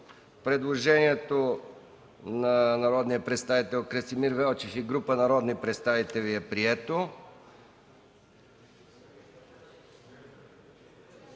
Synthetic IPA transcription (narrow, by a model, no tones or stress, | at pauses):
pɾɛd̪lˠoʒɛniɛt̪o | nanɐɾɔd̪nijəpɾɛt̪st̪avit̪ɛlˠkɾɛsimiɾvɛlˠt͡ʃifiɡɾupənɐɾɔd̪nipɾɛt̪st̪avit̪ɛlʲiɛpɾiɛt̪o